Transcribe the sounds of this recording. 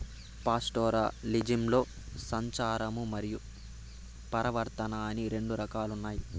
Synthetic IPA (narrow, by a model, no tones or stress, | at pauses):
paːsʈɔːɾa̰ːlid͡ʒimlo̞ː | sɐɲt͡ʃaːɾɐmumɐɾiju | pɐɾɐʋɐɾt̪ɐnɐɐniɾe̞ɳɖuɾɐkaːlunːaːji